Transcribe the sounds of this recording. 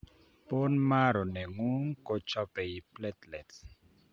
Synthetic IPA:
po˦nma˦ɾo˨nɛ˨ŋu˦ŋko˦t͡ʃɔ˦pɛ˨ji˨plɛ˦t̪lɛ˨t

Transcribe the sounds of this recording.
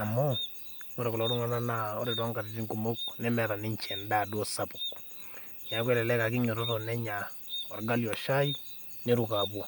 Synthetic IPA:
a˨mo˦ | ŋo˦ɾe˨ku˨lɔ˨˦ɾʊ˦ŋa˦na˦na˨ɔ˦ɾɪ˨dɔ˦ŋka˨tɪ˦ti˦ŋku˨mo˦knɛ˦mɛ˨ɾa˨nɪ˦ɲt͡ʃɛ˨nda˨dwɔ˦sa˦pʊ˨k | ɲa˨˦k̬wɛ˦lɛ˨lɛ˦ka˨kɪ˦ɲo˨ɾɔ˦tɔ˨nɛ˦ɲa˨ | ɔ˨rɡa˦ljɔ˨ʃa˦i˦ | ne˦ɾu˨ka˨bɔ˨

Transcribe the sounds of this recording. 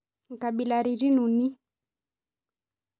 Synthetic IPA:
ŋ˨ka˨ɓi˨la˨ɾi˨ɾi˦nu˨ni˦

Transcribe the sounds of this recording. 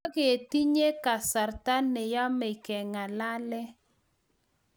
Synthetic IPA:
ɡe˨e˨ti˦ɲe˦ka˨sa˨rta˦ne˨ja˦me˨kɛ˨ŋa˨la˦lɛ˦

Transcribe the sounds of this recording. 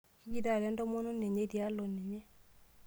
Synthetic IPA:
i˦ɡi˦da˦˨ɾɛ˨˦ndɔ˦mo˦no˦ne˨ɲe˦dja˦lo˨ne˨ɲe˦

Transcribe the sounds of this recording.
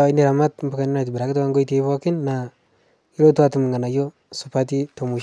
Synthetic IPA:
i˦ni˦ɾa˨ma˦tm˦bu˨ka˨ni˦na˨ti˨biɾa˨ki˦to˦a˦ŋɡo˦i˦te˦po˦kɪ˦nːa˨ | i˦ɾo˦tu˦a˦tu˨m˨ŋɡa˨na˨jo˦ | su˨pa˦t̬i˦to˨mu˨

